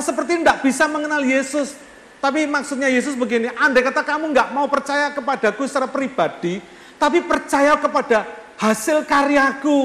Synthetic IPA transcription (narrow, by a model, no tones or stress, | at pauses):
səpərt̪indaʔb̥isaməŋənaljesʊs | t̪apimaksʊt̪̚ɲajes̬ʊsbəɡiniʔandekat̪akamuŋɡaʔmaupərt͡ʃajakəpad̥akusə̥t͡ʃaɾapɾib̥ad̥i | t̪apipərt͡ʃajaokəpad̥a̤ | hasɪlkaɾijaku